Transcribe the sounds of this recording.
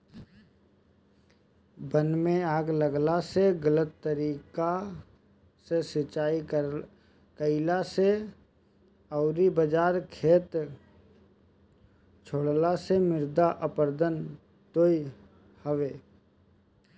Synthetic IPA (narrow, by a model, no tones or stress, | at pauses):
bənmẽaːɡləɡlaseɡələt̪ːəɾiːka | sesɪt͡ʃaːi | kəɪlase | əʊɾibəd͡ʒaːɾkʰeːt̪ | t͡ʃʰoːɽlasemɪɾd̪aʔəpəɾd̪ən | t̪oːi | həʋeː